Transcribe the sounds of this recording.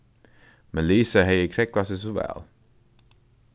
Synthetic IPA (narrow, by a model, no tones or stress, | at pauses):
mɛnliːsəɦɛjəkʰɾɛkasɛs̬ɔvæ̰ːl